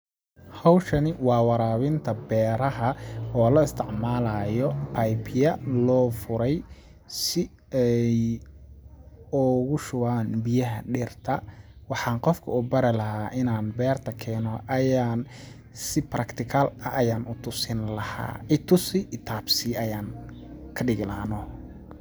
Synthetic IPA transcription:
hɐwʃɐnɪwɑːwɑɾaːwɪnt̪ʰɐbɛːɾɐɦɐɔːlɐɪst̪ʰɪʕmaːlaːjɔpʰɐjpʰjɐlɔːfʊɾɛj | sɪ | ɛj | ɔɣʊʃʊwaːnbɪjɐɦɐɖɪrt̪ʰɐwɑħɑːnqɔfkʰɐʊbɐɾɐlɐɦaːʔɪnaːnbɛːrt̪ʰɐkʰɛːnɔʔɐjaːn | sɪprʔɐkt̪ʰɪkʰalɐʔɐjaːnʊt̪ʰʊsɪnlɐha̰ːɪt̪ʰʊsɪʔɪt̪ʰaːbsiʔɐjaːn | kʰɐɖɪɣɪlɐːnɔ

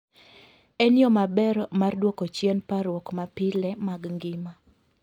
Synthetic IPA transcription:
ɛnjɔmabɛɾmardwɔkot͡ʃjɛnpaɾwɔkmapɪlɛmaɡŋɡɪma

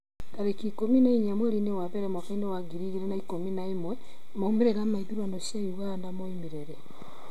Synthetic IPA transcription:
kaɾekikominaiɲamwɛɾinewaβɛɾɛmwakainewaɡiɾiɣeɾenaikominaemwɛ | moumeɾeɾamaiðuɾwanoʃjajuɣandamoimeɾeɾɛ

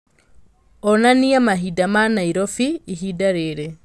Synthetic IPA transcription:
ɔnaniamaɦidamanaiɾɔfiːɦidaɾeɾe

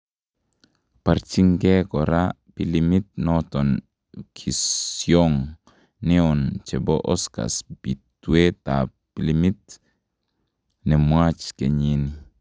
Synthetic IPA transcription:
paɾt͡ʃiŋɡekoɾa | pilimit̪̚noton | kʰisjoŋ | neont͡ʃeboʔoska̰sbitwet̪a̰ | pilimit | nemwat͡ʃkeɲini

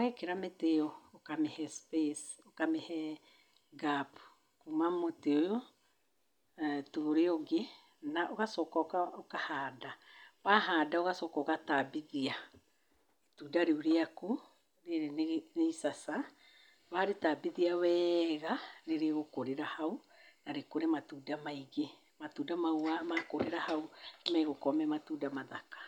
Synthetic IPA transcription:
ɛkeɾameteɔokamɛhɛspes | okamɛhɛ | ɡap | kumamoteojo | toɾeoɡe | naʔoɣasɔːkakaokahaːdaβaɦaːdaoɣasɔːkɔoɣatabiðia | etuːdaɾeuɾeaku | ɾeɾenneisasa | βaːɾetabiðiawɛːɣaɾeɾeɣokoɾeɾahau | naɾekoɾematuːdamaiɣe | matuːdamauamakoɾeɾahaumɛɣokɔmɛmatudamaðakḁ

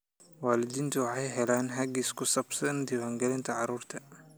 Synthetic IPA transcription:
waːlɪd̪iːnt̪ʰʊwɑħɑjɦɛlaːnɦɐɡiskʰʊsɐbsɐnd̪ɪwaːŋɡɐlɪnt̪ʰɐʕɑɾuːrt̪ʰɐ

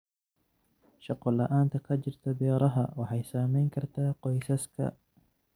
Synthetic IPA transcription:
ʃɑqɔlɐʔaːnt̪ʰɐkʰɐt͡ʃɪrt̪ʰɐbɛːɾɐɦɐwɑħɑjsaːmɛjŋkʰɐrt̪ʰaːqɔjsɐskʰɐ̰

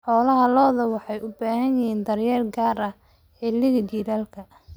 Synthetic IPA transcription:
ħɔːlɐɦɐlɔːðɐwɑħɑjʔʊbaːɦɐnjɪhiːnd̪ɐrjɐrɡaːɾɐ | ɛːlɪɣɐd͡ʒiːɾaːlkʰɐ

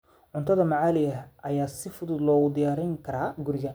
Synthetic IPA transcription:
ʕʊnt̪ʰɐðɐmɑʕaːlɪjɐɦʔɐjaːsɪfʊðʊd̪lɔːɣʊd̪ɪjaːɾɪŋkʰɐɾaːɡʊɾɪjan

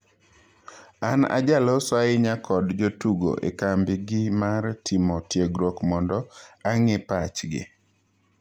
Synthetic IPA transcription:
ana̰d͡ʒalɔswaɪɲakʰɔdd͡ʒotuɡo̰ʔḛkambɪɡɪmartʰɪmɔtjeɡɾɔkmɔndɔaŋepat͡ʃɡɪ̰

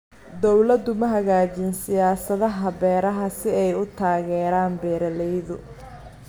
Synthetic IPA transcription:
d̪ɔwlɐd̪ːʊmɐɦɐɣaːt͡ʃɪnsɪjaːsɐðɐɦɐβɛːɾɐɦɐsɪɛjʊt̪ʰaːɣɛːɾaːnbɛːɾɐlɛjðʊ

